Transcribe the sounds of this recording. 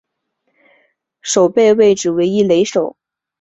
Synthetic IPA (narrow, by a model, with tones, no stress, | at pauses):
ʂo˨˩ʊpe˥˧ɪwe˥˩ɪʈ͡ʂɻ̩˨˩we˧˥ɪi˥le˧˥ɪʂo˨˩˦ʊ